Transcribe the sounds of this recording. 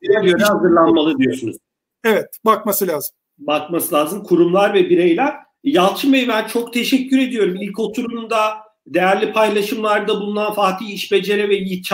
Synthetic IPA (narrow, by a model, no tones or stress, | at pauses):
biɾɛøɾɛhazɯɾlˠanmalˠɯd̪ijo̞ɾsunṵz | ɛvɛt̪̚bakmasɯlʲaːzɯm | bakmasɯlʲaːzɯmkʰuɾumlˠaɾvɛbiɾejlʲæɾ | jalˠt͡ʃʰɯmbejbænt͡ʃʰo̞kt̪ʰe̞ʃɛcʰːyɾe̞d̪ijo̞ɾumilʲco̞t̪ʰuɾumd̪a | d̪e̞jæɾlʲipʰajlˠaʃɯmlˠaɾd̪abulˠunanfaːt̪ʰiːiʃbe̞d͡ʒe̞ɾɛvɛjit͡ʃʰ